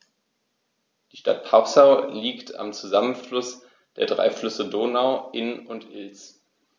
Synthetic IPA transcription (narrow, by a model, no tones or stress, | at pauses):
d̥iːʃta̰t̚pʰasaʊliːktʰa̰mt͡suzamənflʊs | d̥eːɐdʁa̰ɪflʏsədoːnaʊʔɪnʊntʰʔɪls